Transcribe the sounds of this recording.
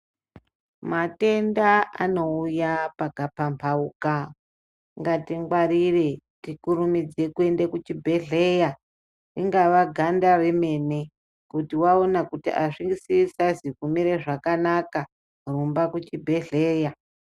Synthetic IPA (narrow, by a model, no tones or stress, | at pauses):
mate̞ndaa̰no̞ujapaɡʱapampʰauka | ŋɡatiŋɡwaɾire̞ | tikuɾumid͡ze̞kue̞nde̞kut͡ʃibʱe̞ɮe̞ja | riŋɡaʋaɡʱandareme̞ne̞ | kutiwao̞nakutiʔaʂiŋɡisisazikumiɾeʐakanaka | rumbakut͡ʃibʱe̞ɮe̞ːja